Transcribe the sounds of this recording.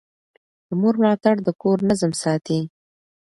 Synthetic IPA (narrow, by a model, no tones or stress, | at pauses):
d̪̥əmoɾmlɑt̪aɽd̪əkoɾnazəmsɑt̪i